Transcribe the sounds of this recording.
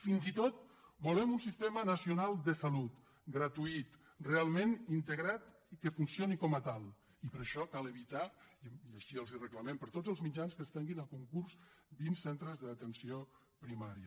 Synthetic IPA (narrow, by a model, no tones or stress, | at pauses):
finzit̪ot̪̚bulɛmunsist̪ɛmənəsiunalˠd̪əsəlut̪ | ɡɾət̪uit̪ | realˠmenint̪əɣɾat̪ | kəfunsionikɔmət̪alˠ | ipəɾəʃɔkaləβit̪aiəʃiəlˠzirəkləmempəɾt̪ozəlˠzmid͡ʒanskəst̪ɛŋɡinəlˠkuŋkuɾs | binsent̪ɾəzðəːt̪ənsio | pɾimaɾiə